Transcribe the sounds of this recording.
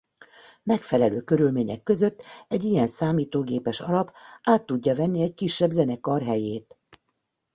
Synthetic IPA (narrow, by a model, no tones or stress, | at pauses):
mɛkfɛlɛløːkø̞ɾylmeːɲɛ̰kːø̞zø̞t̪ːɛɟijɛnsaːmiːt̪oːɡeːpɛʃɒlɒpaːt̪ːuɟːɒvɛnːiɛckiʃːɛbzɛnɛkɒrɦɛjeːt̪